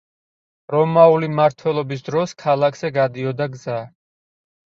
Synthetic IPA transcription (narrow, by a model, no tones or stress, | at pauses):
ɾɔmaulimaɾt̪ʰwɛlˠɔbis̬d̪ɾɔskʰalˠakʰz̥ɛɡad̪iɔd̪aɡza